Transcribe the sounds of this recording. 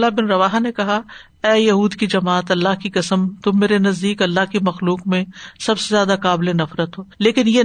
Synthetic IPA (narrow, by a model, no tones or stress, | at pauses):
labɪnɾɐʋaːɦanekɐɦa | ɛːjɐɦuːd̪kid͡ʒɐmaːt̪ɐlːaɦkikɐsəmt̪ʊmːeːɾenɐzd̪iːkɐlːaɦkimɐxluːkmẽsɐbsezjaːd̪akaːblẽnɐfɾət̪ɦoːleːkɪnje